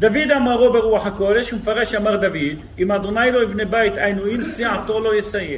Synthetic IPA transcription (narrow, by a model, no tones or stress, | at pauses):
d̪avid̪amaʁobeʁuaħakod̪eʃumefaʁeʃamaʁd̪avid̪ | imad̪onajlojibnebajt̪ʔajnuimsiʕat̪olojesaje